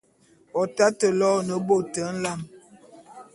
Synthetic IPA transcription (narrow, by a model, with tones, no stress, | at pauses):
ɔ˨ta˦tə˨lɔ˦nə˨bo˦˨tə˨˦n̩˦la˦˨m